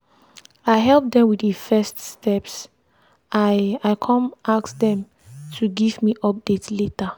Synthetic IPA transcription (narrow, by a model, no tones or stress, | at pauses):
aɪɦɛlp̚d̪ɛ̃mwidəfɛststɛps | aaɪkʰɔ̃maksdɛ̃m | tʰuɡivmiʔɔp̚d̥etsletə